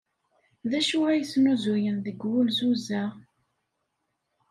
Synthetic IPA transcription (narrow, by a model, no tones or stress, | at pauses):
ðæʃʊʁæjsnuzujənðəɡwulzuzæ